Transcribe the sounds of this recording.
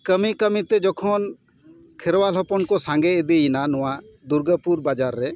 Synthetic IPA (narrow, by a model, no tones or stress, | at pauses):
kəmikəmit̪ɛd͡ʒɔkʰɔn | kʰɛɾwalɔpɔnkɔsãŋɡɛid̪ijinanɔ̃wad̪uɾɡəpuɾbad͡ʒaɾːɛ